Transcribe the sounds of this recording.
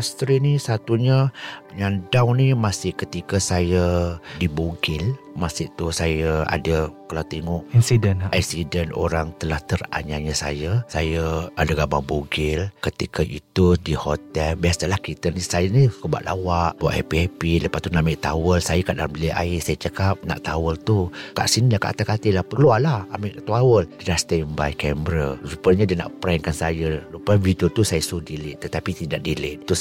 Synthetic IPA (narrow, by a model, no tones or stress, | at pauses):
ast̪ɾinisat̪uɲəɲandawnimasɪhkət̪ikəsajədibuɡɪl | masɪʔt̪usajəa̰dəkəlawt̪eŋɔʔinsidənaksidəno̰ɾaŋt̪əlaht̪əra̰ɲaɲəsa̰jəsajəadaɡabaŋbuɡɪlkət̪ikəʔḭt̪udihot̪ɛlbiasalahkit̪ənisajənikəba̰ʔlʔa̰waʔbawa̰ʔa̰piɛpiləpat̪unaʔmiʔt̪awəlsajəkaʔdamiliʔa̰ɪsajət͡ʃəkap̚na̰ʔt̪awəlt̪uka̰ʔsinilahka̰ʔt̪akat̪ilahpkəlualahamɪʔt̪awəldidast̪eəmbajkɛmbɾəsupəɲədiəna̰ʔpɾɛŋkansajəlupanvit̪ut̪usajəsuhdilɪʔt̪ːət̪apit̪idaʔdilɪʔt̪us